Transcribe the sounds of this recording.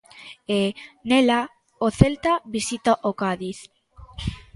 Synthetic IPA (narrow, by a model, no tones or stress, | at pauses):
enela | oθelt̪abisit̪aʔokaðiθ